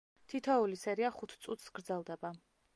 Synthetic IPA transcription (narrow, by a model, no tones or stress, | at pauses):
t̪ʰit̪ʰɔulisɛɾiaχut̪ʰt̪sʼut̪ʰsɡɾd̪zɛlˠd̪ɛba